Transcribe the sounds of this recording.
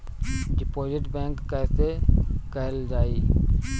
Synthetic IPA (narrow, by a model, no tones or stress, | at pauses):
ɖɪpoːzɪʈbɛ̃ːŋkːɛːsekəɦəld͡ʒaːiː